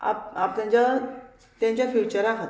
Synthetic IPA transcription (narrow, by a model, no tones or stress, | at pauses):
a̰p̚apt̪jãɲt͡ɕa | t̪jãɲt͡ɕjafjut͡ɕəɾakɦot̪